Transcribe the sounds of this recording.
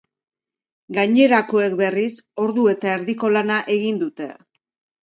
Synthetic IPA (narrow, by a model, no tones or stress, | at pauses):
ɡaɲe̞ɾako̞e̞k̚be̞riso̞ɾðue̞t̪ae̞ɾðiko̞lanaʔe̞ɣind̪ut̪e̞